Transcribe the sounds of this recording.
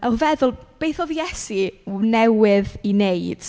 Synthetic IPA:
avɛðʊlˠb̥ejθɔðijɛsinɛwɪðinejd̥

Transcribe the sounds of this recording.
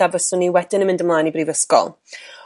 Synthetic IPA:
avəsʊniwɛdɪnəmɪ̃ndəmlˠaːnibriːvəskɔ̰lˠ

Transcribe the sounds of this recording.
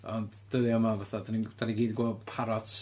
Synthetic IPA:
ɔnd | d̥əðɪɔmavaθadanid̥aniɡiːdɡwo̥ːpʰaɾɔtʰ

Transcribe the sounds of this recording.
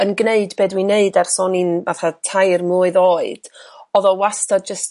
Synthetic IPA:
ənɡneɨdbeːdwineɨdɛrsɔninvaθatʰajrmʊːɨðoːɨd̥ɔðɔwastad͡ʒəst

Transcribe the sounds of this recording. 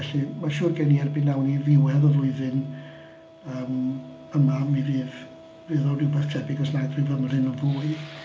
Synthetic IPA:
ɛɬimaʃʊːrɡɛniɛrbiːnːawnivɪwɛðɔvlˠʊɨðɨn | əːm | əmamiriːv | vɨðɔrɪwbɛθtʰɛbɪɡɔsnajdrɪvəmar̥ɨnəvuːɨ

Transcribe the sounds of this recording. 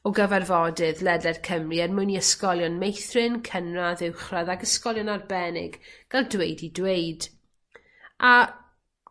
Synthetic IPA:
ɔɡəvɛrvɔdɨðlˠɛdɛd̥kʰəmriɛrmʊniəskɔlˠjɔnmejθrɪnkʰənraðɪwχraðaɡəskɔlˠjɔnarbɛnɪ̰ɡɡ̥alˠdwejdidweɨd | a

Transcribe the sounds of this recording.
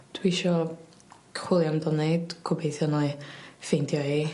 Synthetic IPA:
d̥wiʃɔ | kʰχwɪlˠjamdɔneɨd̥kʰɔbejθjɔnɔɨfejndjɔiː

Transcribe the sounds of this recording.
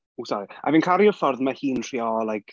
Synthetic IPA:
usɔɾia̰vinkʰaɾiʊfɔrðmahiːntʰr̥iːɔlajkʰ

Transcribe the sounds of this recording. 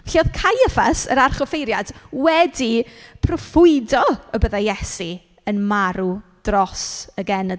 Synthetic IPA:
vɬiɔðkʰajəfasə̰ɾarχɔfejɾjad̥wɛdipʰrɔfʊɨdɔəbəðajɛsi | ənmaɾud̥rɔsəɡɛnə

